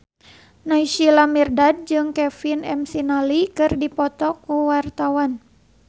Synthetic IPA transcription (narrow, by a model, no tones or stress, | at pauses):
naiʃilamirdad̚d͡ʒɨŋkɛfinɛmsinalikɨrdipɔt̪ɔkuwart̪awan